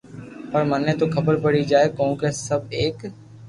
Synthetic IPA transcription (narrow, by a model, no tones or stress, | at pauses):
pɐɾmɐnːet̪okɐbəɾpɐɽid͡ʒaːekɔ̃ːɡɾesːɐbeːk